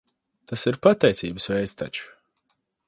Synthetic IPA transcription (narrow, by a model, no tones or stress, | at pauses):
t̪asiɾpat̪ɛjt̪siːbəsvɛjt̪st̪a̰t͡ʃu̥